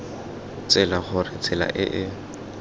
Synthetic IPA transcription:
t͡sʼɛlaχʊrɪt͡sʰʼɛla̰ʔɪʔɪ

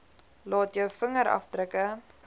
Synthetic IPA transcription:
lɑːtjəwfəŋəɾɐ̰fdrəkə

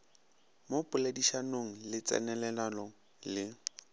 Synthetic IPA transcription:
mopʼʊladiʃanoŋ̩lɪt͡sʼɛ̰nɛlɛlalɔ | lɪ

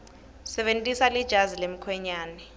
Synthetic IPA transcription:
sɛɓentʼisalid̥ʒ̥ʱazilem̩kʰwɛɲaːnɛ

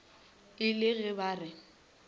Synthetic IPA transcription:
ɪlɪɣɪbaːrɪ

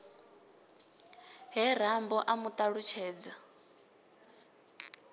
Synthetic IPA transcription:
ɦɛɾ̤ambɔʔamut̪ʼaɺut͡ʃʰɛːd͡za

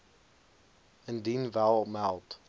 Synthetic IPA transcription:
əndinvælˠmɛlˠt

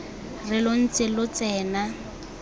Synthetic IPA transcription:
rɪlʊn̩t͡sɪlʊt͡sɛːna

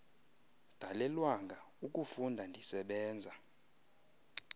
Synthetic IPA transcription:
d̥ʱalɛlwaŋɡʱa | uk̬ʼufundʱandʱisɛɓɛːnd͡zʱa

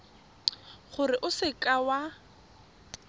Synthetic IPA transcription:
χʊrɪʔʊsɪkʼawa

